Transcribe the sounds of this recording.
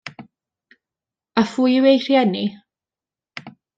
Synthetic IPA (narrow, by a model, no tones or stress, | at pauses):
afujwejr̥jɛni